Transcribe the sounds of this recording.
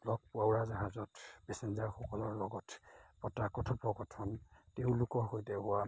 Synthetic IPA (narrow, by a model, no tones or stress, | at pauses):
lɔɡ̚puawɹazaɦazɔtbɛsenzaɹxɔkɔlɔɹlɔɡɔtʰpɔtakɔtʰɔpɔɡɔtʰɔnteʊlʊkɔxojtɛɦʊwa